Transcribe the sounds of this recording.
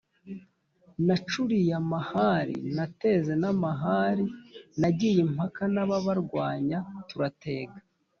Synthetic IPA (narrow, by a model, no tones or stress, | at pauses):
nat͡ʃuɾijamahaɾḭnate̞ze̞namaɦaːɾinaɟijim̥akanaβaβaɾɡwaːɲatuɾate̞ːɡḁ